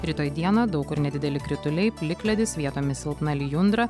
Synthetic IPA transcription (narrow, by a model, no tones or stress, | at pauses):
ɾʲiːt̪oːjd̪ʲiɛnoːd̪ɐʊkʊɾnʲɛd̪ʲɪd̪ʲɛlʲɪkɾʲɪt̪ʊlʲɛɪpʲlʲɪklʲɛd̪ʲɪsʋʲiɛt̪oːmʲɪsʲɪlˠpnɑlʲiːjʊnd̪ɾɐ